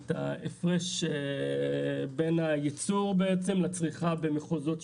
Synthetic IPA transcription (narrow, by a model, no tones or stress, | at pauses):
ta̰efʁeʃe | benajit͡suʁbeet͡se̞mlat͡sʁiχabemeχozo̞t